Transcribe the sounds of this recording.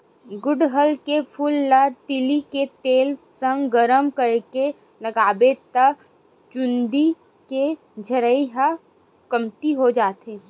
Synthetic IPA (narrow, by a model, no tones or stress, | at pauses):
ɡʊɖɦəlkepʰʊlːat̪ɪliket̪eːlsə̃ŋɡɡəɾəmkəɾke | lɐɡaːbet̪ə | t͡ʃʊ̃nd̪i | ke | d͡ʒʱəɾəiɦa | kəmt̪iɦod͡ʒaːt̪e